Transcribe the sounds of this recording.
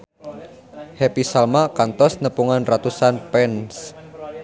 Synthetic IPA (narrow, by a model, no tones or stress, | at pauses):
hepisalmakant̪ɔsnəpuŋanrat̪usanpɛns